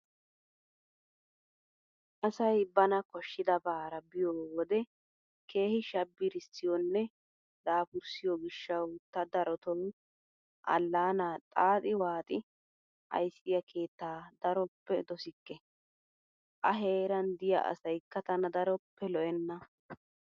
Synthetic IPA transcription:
ʔɐsɐjbɐnɐkɔʃːɪd̪ɐbaːɾɐbɪjɔwɔd̪ɛ | ke̞ːhɪʃɐbːɪɾɪsːɪjɔnːɛ | d̪aːfʊɾsɪjɔɡɪʃːɐwt̪ːɐd̪ɐɾɔt̪ɔw | ʔɐ̰lːaːnaːt̪ʼaːt̪ʼɪwaːt̪ʼɪ | ʔɐ̰jsɪjɐkʰe̞ːt̪ːaːd̪ɐɾɔpːɛd̪ɔsɪkːɛ | ʔɐɦe̞ːɾɐnd̪ɪjɐ̰ʔɐ̰sɐjkːɐt̪ɐnɐd̪ɐɾɔpːɛlɔʔɛnːɐ

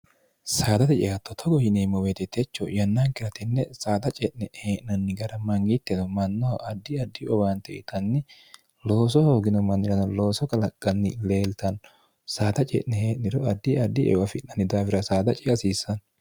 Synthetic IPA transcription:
saːd̪ɐt̪ɛt͡ʃɛ̰jat̪ːɔt̪ʰɔɡɔhɪneːmɔwet̪ɛt̪ɛt͡ʃːɔ̰jɐnːaŋkɪɾɐt̪ɛnːɛsaːd̪ɐt͡ʃʼɛʔnɛheːʔnɐnːɪɡɐɾɐmɐŋɡɪt̪ːɛd̪ɔmɐnːɔwɐʔɐd̪ːɪɐd̪ːɪʔɔbaːnt̪ɛʔɪ̰t̪ɐnːɪ | lo̞ːs̬ɔhoːɡɪnɔmɐnːɪɾɐnɐlo̞ːsɔkɐlɐkʼːɐnːɪle̞ːlt̪ɐn | saːt̪ɐt͡ʃʼɛ̰ʔnɛheːʔnɪɾɔɐd̪ːɪɐd̪ːɪʔɛ̰wɐfɪnːɐnɪd̪aːfɪɾɐsaːd̪ɐt͡ʃʼɪʔɐsiːsːɐn

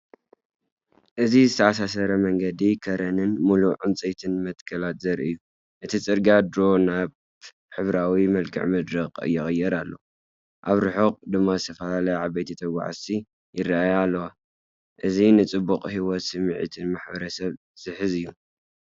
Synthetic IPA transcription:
ʔɨzizɨt̪ʰɐasasɐɾɐmɐŋɡɐd̪ikʰɐɾɐnɨnmuluʕɨmt͡sʼet̪ʰɨnmɐt̪kʰɐlat̪zɐɾɨjːu | ʔɨt̪ʰit͡sʼɨɾɡad̪ɾo̞naβ | ħɨβɾawimɐlkʰɨ̰ʕmɨd̪ɾɐqʼɨ̰jːɪxʼɨjːɛɾalːo̰ | ʔaβɾɨħoqʼd̪ɨmːazɨt̪ʰɐfɐlalɐjaʕaβɐjt̪ʰit̪ʰɐɡa̰ʕ̰si | jɪrːaʔajalːɐwa | ʔɨzinɨt͡sʼɨbːuqʼhiwɔt̪sɨmːʕḭt̪ʰɨnmaħbɐɾɐsɐβ | z̥ɨħɨzɨjːu

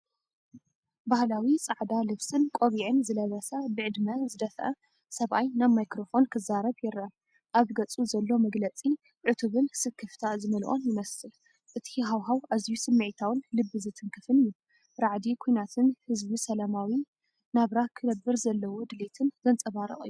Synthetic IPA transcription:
bahlawit͡sʼaʕd̪alɨβsɨnkʼo̞βiʕɨnzɨlɐβɐsɐbɨʕɨd̪mɐzɨd̪ɐfʔɐ | sɐβʔajnaβmajkɾo̞fo̞nkʰɨzaɾɐβjɪɾɐ | ʔaβɡɐt͡sʼuzɐlːo̞mɐɡlɐt͡sʼi | ʕɨt̪ʰuβɨnsɨkʰːɨft̪ʰazɨmɐlʔʼo̰njɪmɐsɨl | ʔɨt̪ʰiɦawɦawʔazijusɨmːɨʕit̪ʰawʊnlɨbːɨzɨt̪ʰɨŋkʰɨfɨnɨjːu | ɾaʕd̪ikʰojnat̪ʰɨnhɨzbisɐlamawi | naβɾakʰɨnɐbːɨɾzɐlːɐwod̪ɨlet̪ʰɨnzɐnt͡sʼɐβaɾɨ̰χʼɨ̰jːu

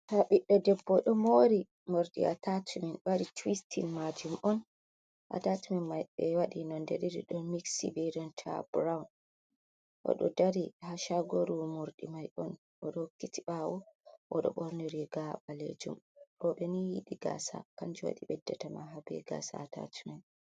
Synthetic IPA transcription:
taɓiɗːɔdɛbːɔɗɔmoɾi | moɾɗḭa̰tatʰuminbaɾitwistʰinmad͡ʒumʔɔn | ʔa̰tatuminmajɓɛwaɗinɔndɛɾiɾḭɗɔnmiksibɛɾɔntʰa̰bɾawn | ʔɔ̰ɗɔ̰daɾihaʃaɡoɾumuɾɗimajʔɔn | ʔɔɗɔhokːitiɓawɔʔɔɗɔ̰ɓɔɾniɾiɡaɓalḛd͡ʒumɗɔɓɛnijiɗiɡa̰sa̰kaɲd͡ʒuwa̰ɗiɓɛdːɛtamaɦabɛ̰ɡa̰sa̰ːta̰tʰumɛn

